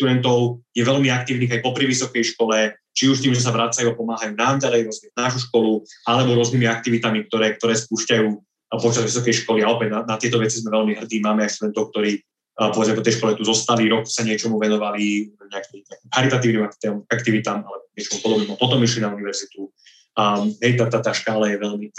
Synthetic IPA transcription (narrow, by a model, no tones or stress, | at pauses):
ʃt̪ud̪ɛnt̪ɔʊjɛʋɛlmiak̚t̪iːʊniːɣajpɔpɾiʋisɔkɛjʃkɔlɛ | t͡ʃiuʃt̪iːmzmɛsaʋɾat͡sajuapɔmaːɦajuːnamɟalɛjɾɔzmɛnaːʃuʃkɔlualɛbɔɾʊɔzniːmiak̚t̪iʋit̪amik̚t̪ɔɾɛːk̚t̪ɔɾɛːspuːʃcajuː | pɔt͡ʃazʋisɔkɛjʃkɔliaɔpɛd̪nanat̪ɪɛt̪ɔʋɛt͡sizmɛʋɛlmiɦr̩d̪iːmaːmɛajʃt̪ud̪ɛnt̪ɔʊk̚t̪ɔɾiː | pɔʋɛd͡zmɛpɔt̪ɛjʃkɔlɛt̪uzɔst̪aliɾɔksaɲɪɛt͡ʃɔmuʋɛnɔʋaliɲɛakimɲɛakiːmxaɾit̪at̪iːʊnimakt̪ɛmakt̪iʋit̪aːmalɛbɔɲɪɛt͡ʃɔmupɔd̪ɔbnɛmapɔt̪ɔmiʃlinauniʋɛɾzit̪u | ɦɛjt̪at̪at̪aːʃkaːlajɛʋɛlmi